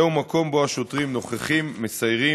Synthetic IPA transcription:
umako̞mbo̞aʃot̪ʁimno̞χeχimːesajʁi

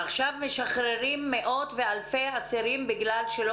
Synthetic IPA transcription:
aχʃavmeʃaχɾeʁimːeʔo̞t̪vealfejasiɾimbiɡlalʃelo

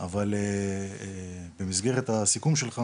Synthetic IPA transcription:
avale | be̞mizɡe̞ʁet̪asikumʃe̞lχa

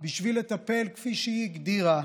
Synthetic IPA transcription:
biʃvilet̪ape̞lkfiʃeiiɡd̪iʁa

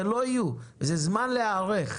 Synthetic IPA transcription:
eloijuvezezmanleaːʁeχ

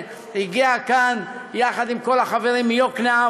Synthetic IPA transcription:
hiɡiakanjaχad̪imko̞laχaveʁimːjoknea

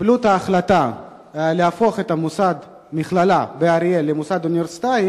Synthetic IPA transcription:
blut̪aːχlat̪a | leafo̞χet̪amusad̪ | miχlalabeaɾielemusad̪unveɾsi̥t̪aj

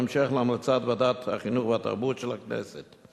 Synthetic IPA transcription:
mʃeχleamlat͡sat̪vbadat̪ha̰χinuχveat̪a̰ʁbut̪ʃelaknɛ̰set̪

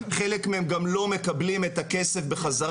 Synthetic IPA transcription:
χelekmeemɡamlo̞me̞kablimetakesefbeχaza

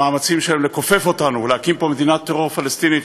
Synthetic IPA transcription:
aːmat͡simʃeemle̞ko̞fe̞fo̞t̪anulehakimpo̞me̞d̪inat̪ːeʁo̞ʁfalest̪ini

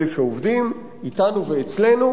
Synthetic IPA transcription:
leʃeovd̪im | it̪anuveːt͡sle̞nu

